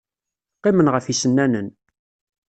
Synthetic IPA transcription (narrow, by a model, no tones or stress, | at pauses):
qːemənʁəfisənːænən